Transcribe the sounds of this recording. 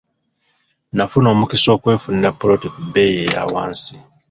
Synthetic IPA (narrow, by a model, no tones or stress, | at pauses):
nafuno̞ːmukiso̞ːkwe̞ːfunidapːoɾotikubeːjeja̰ːwa̰ːnsi